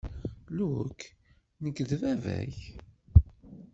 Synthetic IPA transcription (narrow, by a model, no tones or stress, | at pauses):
luk | nəɡðvævæ̰ç